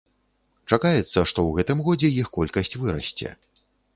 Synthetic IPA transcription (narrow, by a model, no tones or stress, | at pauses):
t͡ʂakajɛt̪sːɐʂt̪ɔwɣɛt̪ɨmɣɔd͡zʲɛjixkɔlʲkɐsʲt͡sʲvɨɾɐ̰sʲt͡sʲɛ̰